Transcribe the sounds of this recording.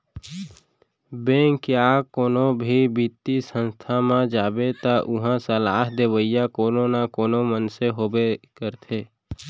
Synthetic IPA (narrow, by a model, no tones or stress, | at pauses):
bẽːŋkjaːkoːnobʱibit̪ːisə̃nst̪ʰamãd͡ʒaːbet̪aʔʊɦãsəlaːɦd̪eːʋəijakoːnoːnakoːnomənseɦoːbekəɾt̪ʰeː